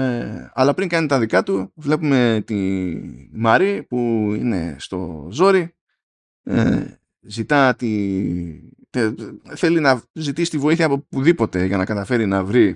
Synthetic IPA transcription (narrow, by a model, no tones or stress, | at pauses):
eɐ̰lɐpɾiŋɡɐnit̪ɐðikɐt̪uvle̞pume̞t̪i | mɐɾipuḭne̞̰st̪o̞̰zo̞ɾi | ḛ | zit̪ɐt̪i | θe̞linɐzit̪isi̥t̪ivo̞iθiɐpopuðipo̞t̪e̞ʝɐnɐkɐt̪ɐfe̞ɾinɐvɾi